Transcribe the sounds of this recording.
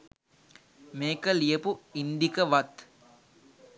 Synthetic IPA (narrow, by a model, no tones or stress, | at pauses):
meːkəlijəpuind̪ikəʋat̪